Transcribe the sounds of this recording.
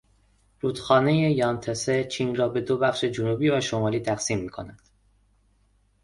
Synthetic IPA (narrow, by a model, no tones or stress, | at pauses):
ɾuːd̪xɒːne̞je̞jɒːnt̪ʰeset͡ʃʰiːnrɒːbe̞d̪obæxʃe̞d͡ʒonubiːvæʃo̞mɒːliːt̪ʰæɢsiːmːiːkʰo̞̰næd̪̥